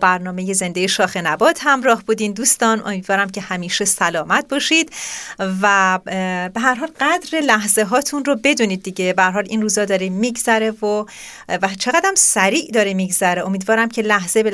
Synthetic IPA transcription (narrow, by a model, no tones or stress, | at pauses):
bæɾnɒːme̞je̞ze̞nd̪ejeʃɒːxe̞næbɒːd̪̥hæmɾɒːhbuːd̪iːnd̪uːst̪ɒːno̞̰miːd̪vɒːɾæmcʰe̞hæmiːʃesælɒːmæt̪̚ʰbɒːʃid̪̥væ | be̞ɦæɾɦɒːlɢæd̪ɾelæɦze̞ɦɒːt̪ʰunrobe̞d̪uːniːd̪̚ːiɟe̞behæɾɦɒːliːnruːzɒːd̪ɒːɾimiːɡzæɾe̞vo | væt͡ʃʰe̞ɣæd̪æmsæɾiːʔd̪ɒːɾemiːɡzæɾeo̞miːd̪vɒːɾæmcʰe̞læhz̥ebe